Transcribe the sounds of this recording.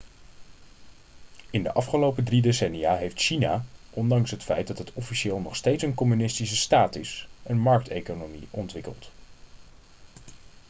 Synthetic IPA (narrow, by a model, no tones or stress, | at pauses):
ɪndə̰ʔɑfχəlowpədridesɛnijaːɦejftʃina̰ːʔɔndɑŋsɦətfɛjt̚dɑtɦətʰɔfiʃɪːlˠnɔχstejtsənkɔmynɪstisəstaːtɪsənmɑɹk̚tejkonomḭʔɔntʋɪkə̰lˠt